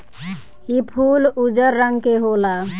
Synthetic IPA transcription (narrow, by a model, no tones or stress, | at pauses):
ipʰuːlud͡ʒəɾːəŋɡkeɦola